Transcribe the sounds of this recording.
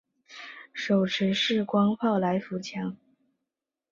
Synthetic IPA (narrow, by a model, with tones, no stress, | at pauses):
ʂo˨˩ʊʈ͡ʂʰɻ̩˧˥ʂɻ̩˥˩kwɑ˥ŋpʰɑ˥˩ʊla˧˥ɪfu˧˥t͡ɕʰjɑ˧˥ŋ